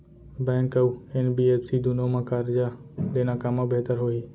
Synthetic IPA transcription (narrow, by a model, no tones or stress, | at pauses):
bɛ̃ːŋkəuenbiːeːpsid̪ʊnõmãkaːɾɪd͡ʒad̪eːnãːkamãbeɦt̪əɾɦoːiː